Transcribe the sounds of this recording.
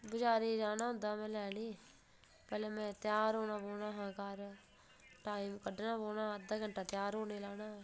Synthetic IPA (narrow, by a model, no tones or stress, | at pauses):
bʊd͡ʒaːɾiːd͡ʒaːnaːɦʊ̃nd̪aːmɛ̃ːlɛːɽiː | pɛːleːmɛ̃ːt̪ɪjaːɾɦoːɳaːboːnaːɦãːkaɾ | ʈaːiːmkəɖnãːboːnaːəd̪aːɡəɳʈaːt̪ɪjaːɾɦoːneːlaːnaː